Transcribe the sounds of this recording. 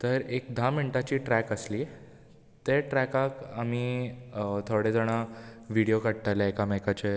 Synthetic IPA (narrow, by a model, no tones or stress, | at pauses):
t̪əɾekd̪ʱamiɳʈat͡ɕiːʈɾɛkəsli | t̪eʈɾɛkãkami | t̪ʰoɽed͡z̪əɽ̃aʋiɽijokəɽ̚ʈ̪alaekamajkat͡ɕe